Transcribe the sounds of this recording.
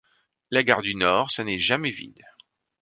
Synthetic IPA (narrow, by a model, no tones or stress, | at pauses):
laɡaʁd̪ynɔːʁsanɛʒamɛvḭd̪